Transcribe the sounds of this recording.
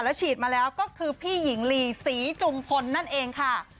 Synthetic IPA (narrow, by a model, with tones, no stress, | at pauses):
lɛː˦˥wt͡ɕʰiː˨˩t̪̚maː˧lɛː˦˥wkɔː˥˩kʰɯː˧pʰiː˥˩ji˩˦ŋliː˧siː˩˦t͡ɕu˧mkʰo˧nːa˥˩nʔeː˧ŋkʰa˥˩